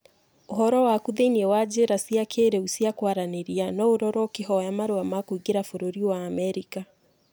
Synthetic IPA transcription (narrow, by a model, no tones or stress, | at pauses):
oɦɔɾɔwakuðeiniɛwad͡ʑeɾasiakʰeɾeusiakwaɾaneɾianɔoɾɔɾɔkeɦɔjamaɾoamakuiɡeɾafoɾoɾiwaːmɛɾika